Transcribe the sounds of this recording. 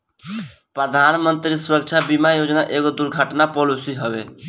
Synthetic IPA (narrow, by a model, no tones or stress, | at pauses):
pɾəd̪ʱanmənt̪ɾisuɾək̚t͡ʃʰabimajod͡ʒnaʔeɡod̪uɾɡʱəʈnapɔlusiɦəbḛ